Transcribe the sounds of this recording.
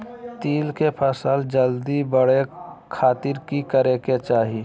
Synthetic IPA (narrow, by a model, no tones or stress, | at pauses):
t̪iːlkepʰəsəld͡ʒəld̪ibəɽekʰaːt̪ɪɾkikəɾeket͡ʃaːɦi